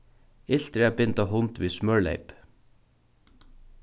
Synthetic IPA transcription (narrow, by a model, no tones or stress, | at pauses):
ɪl̥t̪ɾɛapɪnt̪aɦʊnt̪ʋismœɹlɛ̰ɪp